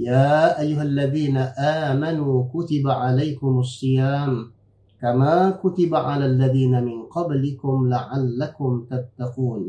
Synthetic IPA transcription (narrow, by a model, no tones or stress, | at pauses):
jaːʔajːʊɦalːaðiːnaʔaːmanuːkʊt̪ɪbaʕalajkʊmɑsˤːɨjaːm | kamaːkʊt̪ɪbaʕalaːlːaðiːnamɪnqɑblɪkʊmlaʕalːakʊmt̪at̪ːaquːn